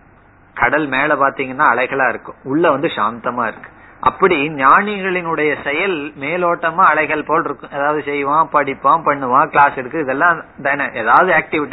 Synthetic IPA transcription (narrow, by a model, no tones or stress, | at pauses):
kɐɽɐlmeːɭɐpaːɾt̪iːŋɡɐnːãːɐɭɐɪɣɐɭaːɪɾɯkːʊ̃ʊɭːɐʋɐnd̪ɯʂaːnt̪ɐmaːɪɾɯkːɯ̥ʔɐpːɐɽiɲaːɳɪɣɐɭɪnɯɽɐjɐsɛjɐlmeːloːʈːɐmãːɐɭɐɪɣɐɭpoːlɪɾɯkːʊ̃ɛðaːʋɐðɯsɛjʋãːpɐɽɪpːãːpɐɳːɯʋãːkɭaːsɛɽɯkːɯɪðɛlːãːnd̪ɐɛnːɐʔeːðaːʋɐðɯaːk̚ʈɪʋɪʈː